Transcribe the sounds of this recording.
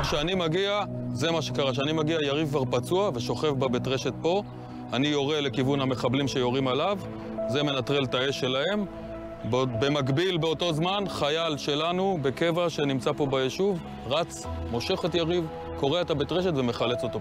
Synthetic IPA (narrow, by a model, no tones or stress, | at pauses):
ʃeanimaɡiaze̞maʃekaʁaʃ̬eanimaɡiajaʁivkvaʁpat͡suave̞ʃo̞χe̞fbabetʁe̞ʃe̞t̚po̞ | anijo̞ʁele̞kivunhame̞χablimʃe̞jo̞ʁimalav | ze̞menat̪ʁe̞ltae̞ʃe̞lahe̞m | bbe̞maɡbilbe̞oto̞zmanχajalʃe̞lanube̞ke̞vaʃe̞nimt͡sapo̞bajeʃuv | ʁat͡smo̞ʃe̞χetjaʁiv | ko̞ʁeetabet̪ʁe̞ʃe̞tveme̞χale̞t͡so̞t̪o̞